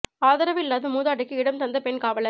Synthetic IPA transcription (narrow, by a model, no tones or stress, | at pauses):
aːðɐɾɐʋɪlːaːðɯmuːðaːʈːɪkːɯɪɽɐmt̪ɐnd̪ɐpɛnkaːʋɐlɐ